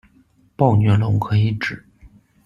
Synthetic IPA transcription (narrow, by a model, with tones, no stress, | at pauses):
pɑ˥˩ʊnɥɛ˧˥lʊ˧˥ŋkʰɤ˧˥i˧˥ʈ͡ʂɻ̩˨˩˦